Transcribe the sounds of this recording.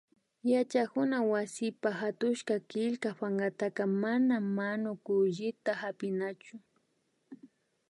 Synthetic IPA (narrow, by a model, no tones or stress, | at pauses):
jat͡ʃakʊnawasɪpahat̪ʊʃkakɪʎkapaɴɢɑt̪aqɑmanamːanʊkʊʎɪt̪ahapɪnat͡ʃʊ